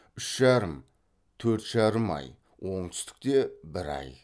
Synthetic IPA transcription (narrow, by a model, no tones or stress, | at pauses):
ʏʃʒ̥ɑɾəm | t̪ʰɵɾt̪ʒ̥ɑɾəmɑ̰j | wo̞ɴt̪ʰʏ̥st̪ɪ̥k̚t̪e̞bɪɾɑ̰j